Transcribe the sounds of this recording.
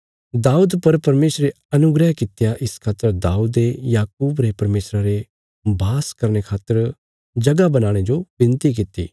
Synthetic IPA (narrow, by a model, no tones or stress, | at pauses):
d̪aːuːd̪pɐɾpɐɾmeːsɾe | ɐnʊɡɾɛɦkɪt̪jaʔɪskʰaːt̪əɾd̪aːuːd̪ejaːkuːbɾepɐɾmeːsɾaɾe | bʱaːskɐɾnekʰaːt̪ːəɾ | d͡ʒɐɡabɐnaːɽ̃ed͡ʒobɪ̃nt̪ik̬ɪt̪ḭː